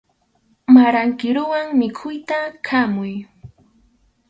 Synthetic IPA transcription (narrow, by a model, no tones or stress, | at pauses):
maɾaŋkɪɾʊwaŋmɪkʰʊjt̪akʰamʊj